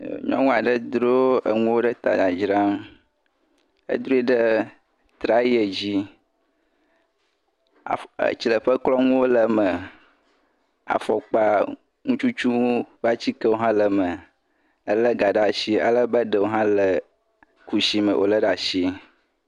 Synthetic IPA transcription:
ɲɔ̰̃˦ŋũ˦a˨ɖə˦d̪ɾo˦ə̰˨ŋũ˦wo˦ɖə˦t̪a̰˨da˨d͡ʒɾa˦m | ə̰˦d̪ɾo˦i˦ɖə˦ | t̪ɾa˨ji˦e˨d͡ʑi˦˨ | ə̰˨t͡ɕi˨lə˨ɸə˦klɔ˦ŋũ˦wo˦lə˨mə˨ | a̰˨fɔ˨k͡pa˦ | ŋũ˦t͡ʃu˦t͡ʃu˦ba˦t͡ɕi˦kə˦wo˦ɦã˦lə˨mə˨ | ə˦lə˦ɡa˨ɖa˨ʃi˦a̰˨lə˦bə˦ɖə˨wo˦ɦã˦lə˨ | ku˨ʃi˦mə̰˨wʔo̰˦lə˦ɖa˨ʃi˦

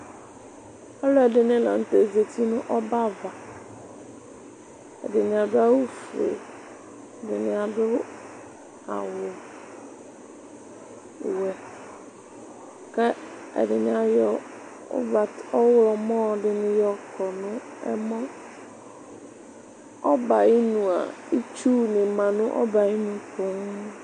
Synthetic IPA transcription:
ɛ˦lɔ˦ɛ˨dɪ˨nɪ̃˦lã̰˨n̩˨te˨ze˨t̪i˦nʊ̃˦ʔɔ˦ba˦va˨ | ɛ̰˨dɪ˨nɪ̃˨a˨dʊ˦a˦wu˦fu˨ḛ˨ | dɪ˨nɪ̃˨a˨dʊ˦ | a̰˨wʊ˨ | wɛ˨ | kɛ˦ɛ̰˨dɪ˨nɪ̃˨˦a˨jɔ˨ | ʊ̰˦va˨tɔ˦wʊ˦lɔ˨mɔ̃˦dɪ˨nɪ̃˨jɔ˨kʰɔ˨nʊ̃˦ɛ̰˦mɔ̃˦ | ɔ˦ba˨ɪ˦nũ˨a̰˨i˦t͡ʃu˦nɪ̃˨mã˨nʊ̃˦ʔɔ̰˦ba˨i˦nũ˨kʰʊ̃˨˦ŋ

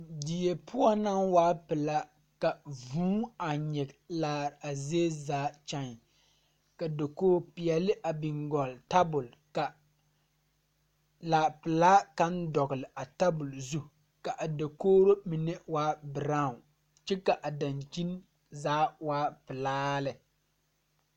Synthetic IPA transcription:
di˨je˨pʰʊ˦ɔ˦na˦ŋwaː˦pɨ˨la˦ | ka˨vuː˦a˨ɲɛ˨ɡlaː˨ɾa˨ze˦zaː˨˦t͡ʃa˦n˨ | ka˨do˨koː˦pɪ˨ɛ˨lɪ˦ʔa˨bɪ˨ŋɡɔ˨lta˦bʊ˨l | ka˨ | laː˨pɪ˨laː˦ka˦ndɔ˨ɡɪ˨lɪ˨ʔa˨ta˦bʊ˨lzu˦ | ka˨ʔa˨do˨koː˦ɾo˦mi˨nɛ˦waː˦bɪ˨ɾa˦˨ | t͡ʃɛ˦ka˨ʔa˨da˨nd͡ʒi˦n | zaː˦waː˦pɪ˨laː˦lɪ˨

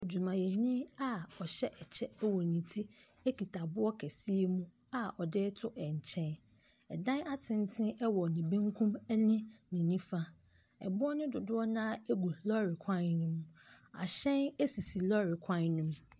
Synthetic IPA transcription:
d͡ʑu˨mã˨jɛ˨ɲɪ̃˦a˦ɔ˨ɕɛ˦ʔɛ˨t͡ɕʰɛ˦ɛ˦wɔ˨nĩ˨tʰi˦ | e˦ki˨tʰa˨bʊ˦ɔ˦kʰɛ˨si˦e˦mũ˦ | a˨ʔɔ˨dɪ˦tʰʊ˦ʔɛ˨ɲ˨t͡ɕʰɛ̃˦n | ɛ̰˨dã˦na˦tʰɪ̃˦n˦tʰɪ̃˦ɛ˦wɔ˨nĩ˨bẽ˦ŋkʰũ˦mɛ˦nɪ̃˦nɪ̃˨nĩ˦fa˦ | ɛ̰˨bʊ˦ɔ˦nʊ̃˦dʊ˨dʊ˦ɔ˦nã˦e˦ɡu˨lɔ˦ɾɪ˨kʰã˦nʊ̃˦m | a̰˨ɕɛ̃˦ne˦si˨si˨lɔ˦ɾɪ˨kʰã˦nʊ̃˦m

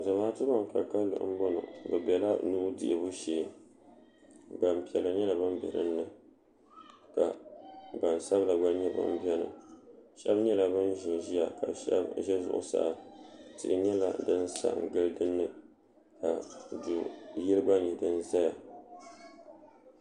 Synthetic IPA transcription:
za˨maː˦tɨ˦ba˦ŋ˨ka˨ka˦lʊ̰˨ʔɨ˦m̩˦bo˦nʊ̰˨bɨ˨bɛ˨la˦nuː˦dɪ̰˨ʔɪ˨bʊ˦ʃeː˨ | ba˨m˨pi˨ɛ˨lːɨ˨ɲɛ˦la˨ba˦mbɛ̰˨ɾɨ̰˦nːɨ˨ | ka˨ba˨n˨sa˦bla˨ɡ͡ba˦ɲɛ˦ba̰˦m̩˦bɛ˦nɨ̰˨ʃɛ˦bɲɛ˦la˨bɨ˦n˦ʒɪ˨n˨ʒi˦ja˨ka̰˨ʃɛ̰˦bʒɛ˦zʊ̰˨ʔʊ̰˦sa̰˨ʔtɨ̰˨ʔɪ˨ɲɛ˦la̰˨dɨ˦n˦sa̰˦˨ŋ̩˨ɡɨ˦lɨ˦dɨ˦nːɨ˦ | ka˨du˨jɪ˦lɨ˦ɡ͡ba˦ɲɛ˨dɨ˦nza˦ja˨

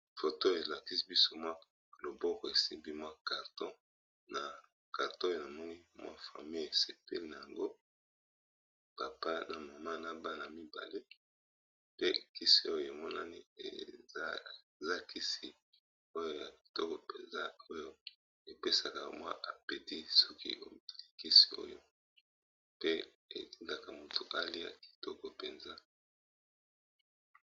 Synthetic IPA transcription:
fo˨to˦e˨la˨ki˦si˦bi˦so˦mwa˦ | lo˨bɔ˦kɔ˨e˨si˦mbi˦mwa˦ka˨ʁtɔ̃˦ | na˨ | ka˨ʁtɔ̃˦jo˦na˨mɔ˦ŋi˦mwa̰˦fa̰˨mi˦je˨se˨pe˦li˦na˨ja˨ŋɡo˦ | pa˨pa˦na˨ma˨ma˦na˨˦ba˦na˨mi˦ba̰˨le˦ | pe˦ki˦si˦o˦jo˨e˨mɔ˦na̰˦ni˦ḛ˨˦ | za˦ki˦si˨ | o˦jo˦˨ja˨ki̥˨tɔ˦kɔ˨pe˨nza˦o˦jo˦ | e˨pe˦sa˨ka˨mwa̰˦ʔa˨pe˨ti˦sɔ˦kḭ˦o˦li˦˨ki˦si̥˨o̰˦jo̰˦ | pe˦ | ḛ˨ti˦nda˨ka˨mo˨tu˨ʔa˦li˦a̰˨ki̥˨tɔ˦kɔ˨pe˨nza˦

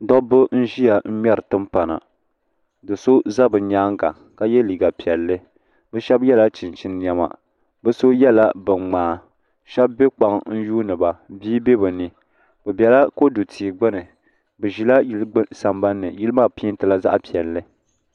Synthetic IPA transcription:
dɔ˦bɨ˦n̩˦ʒi˦ja˨m̩˦mɛ˦ɾɨ˨tɨ˦mpa˨na̰˨ | dɨ˨so˦za˦bɨ˨ɲaː˦ŋɡa̰˨ | ka˦jɛ˦liː˨ɡa˨pi˨ɛ˨lːɨ˦ | bɛ˦ʃɛ˦bjɛ˦la˦t͡ʃi˨nt͡ʃi˦n˦ɲɛ˨ma̰˨ | bɨ˦so˦jɛ˦la˦bɨ˨ŋ͡maː˨˦ | ʃɛ˦bːe˦k͡pa˨ŋn̩˦juː˦nɨ˨ba˨biː˦be˦bɨ˨nɨ˦ | bɨ˨bʲɛ˨la˦ko˦du˨tʰi˨ɡ͡bɨ˦nɨ˨ | bɨ˨ʒi˨la˦ji˦lɡ͡bsa˨mba˦nːɨ˨ji˦lɨ˦maː˦˨pi˦n˦tɨ˨la˦za˦ʔpi˨ɛ˨lːɨ˦

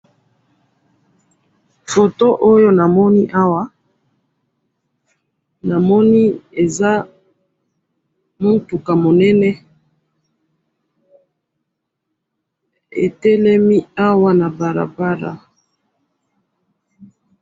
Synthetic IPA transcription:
fo˨to˦ʔo˦jo˦na˨mɔ˦ni˦ʔa˦wa˦ | na˨mɔ˦ni˦e˨za˦ | mo˦ntu˨ka˨mo˨nɛ˦nɛ˦ | ḛ˨tɛ˦lɛ˦mi˦a˦wa˦na˨ba˨ʁa̰˨ba˦ʁa̰˨

